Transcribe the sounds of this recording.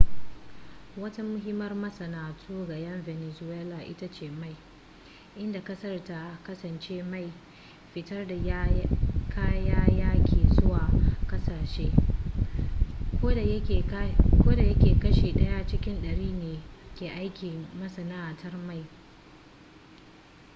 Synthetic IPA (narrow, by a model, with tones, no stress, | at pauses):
wɐ˦ta˦mʊ˦ɦɪ˦mɐ˦rmɐ˦sɐ˨naː˨tʰuː˦ɡa˨jɐ˦nve˨nɛ˨zʊ˦weː˦laː˨ʔɪ̰˦ta˦t͡ʃeː˨ma˦j | ʔɪ˦nda˨kɐ˦sɐ˦rta˨kɐ˦sɐ˨nt͡ʃeː˦ma˦˨j | ɸɪ˦tɐ˦rda˨˦kʰaː˦jaː˦jaː˦kʲeː˨zʊ˦waː˨kɐ˦saː˨ʃeː˦˨ | kʷoː˦da˨jɐ˦kʲeː˨kɐ˦ʃeː˨ɗɐ˦ja˦t͡ʃɪ˦kʲɪ˦nɗɐ˨ɽiː˦neː˨kʲeː˨ʔa˦jkʲɪ˨mɐ˦sɐ˨naː˦˨tʰɐ˦rma˦˨j